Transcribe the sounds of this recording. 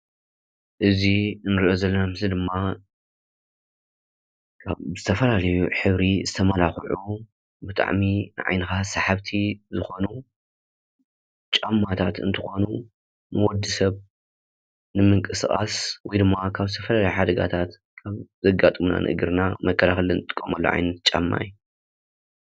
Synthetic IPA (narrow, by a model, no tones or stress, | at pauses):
ʔɨzinɨɾiʔo̞zɐlːɐnamɨzid̪ɨmːa | kʰaz̥ɨt̪ʰɐfɐlalɐjuħɨβɾizɨt̪ʰɐmɐlaxʕu | bɨt̪ʼa̰ʕminɨʕa̰jnɨxasaħaβt̪ʰizɨxo̞nu | t͡ʃʼamːat̪ʰat̪ɨ̰nt̪ʰɨxo̞nu | nɨwɔd̪ɨsɐβ | nɨmɨŋkʼɨsχʼa̰swɔjd̪ɨmːakʰaβzɨt̪ʰɐfɐlalɐjuħad̪ɐɡa̰t̪ʰat̪ | kʰaβzɐɡat̪ʼɨmna̰nʔɨ̰ʔɨɡɨɾnamɐkʰːɐlaxɐlɨnɨt̪ʼɨ̥kʼːɐmɐlːo̰ʕa̰jnɐt̪t͡ʃʼa̰mːa̰ju